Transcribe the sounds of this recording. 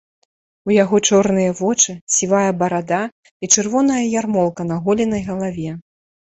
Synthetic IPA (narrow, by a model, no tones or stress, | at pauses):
ujaɣɔt͡ʂɔrnɨjɐvɔt͡ʂɨsʲivajɐbɐɾad̪a | it͡ʂɨrvɔn̪ɐjɐjarmɔlˠkɐn̪ɐɣɔlʲinɐjɣɐlˠavʲɛ